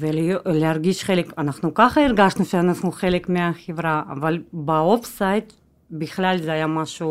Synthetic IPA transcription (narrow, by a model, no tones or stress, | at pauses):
velleaɾɡiʃχelekanaχnukaχɐiɾɡaʃnuʃeanaχnuχelekmeaχevɾa̰ːvalbaofsajt̪ | bɪχlalʲzeajamaʃu